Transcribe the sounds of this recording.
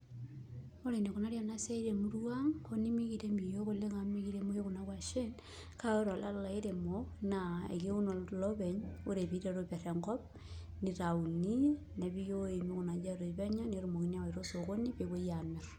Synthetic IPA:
o˦ɾe˨ne˨ko˨na˦ɾja˨na˦se˦iɾe˨mu˦ɾuwa˦ŋko˦ni˦mi˦ɣi˦ɾe˦mbi˨jo˦ɣo˦le˦ŋa˨mi˦ɣi˦ɾe˦mo˦je˦ɣo˨na˦wa˨ʃe˦n | ka˦o˦ɾo˨la˦lla˨i˦ɾe˨monaḛ˨ki˦ɣu˦no˨loβe˨ɲo˦ɾe˨βi˨˦ɾeɾoβa˨ɾe˨ŋɡɔ˦p̚ | niɾau˨ni˦ | ne˨βi˦jo˦e˨mi˦ɣo˨na˨d͡ʒa˦ɾo˨i˨βɛ˦ɲɔ˦ne˨ɾo˨mo˨ɣi˦ni˦a˦wa˨iɾo˦so˨ɣo˦ni˦βe˨ɣo˦ja˨ne

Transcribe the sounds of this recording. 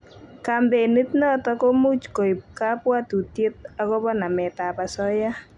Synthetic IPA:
ka˨mbe˨ni˦tnɔ˦tɔ˦ko˦mu˦t͡ʃko˨jp̚ka˦pwa˦tu˨tje˦t̚a˦kɔ˦bɔ˦na˨mɛ˨ta˨pa˨sɔ˦ja˦

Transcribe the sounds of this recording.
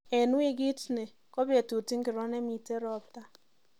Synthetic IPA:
ɛ˨nwi˦ɡɪ˦tne˨ | kɔ˦be˨tu˨ti˦ŋkɪ˨ɾɔ˦nɛ˦mi˨te˦ɾɔ˨p̚ta˦

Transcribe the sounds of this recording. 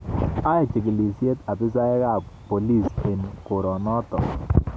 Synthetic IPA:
a˦e˨t͡ʃi˨ki˨li˨sje˦t̪a˨bi˦s̬a˦ɛ˦ka˦˨ppo˨li˦˨se˨nko˨ɾɔ˨nɔ˦t̪ɔ˨

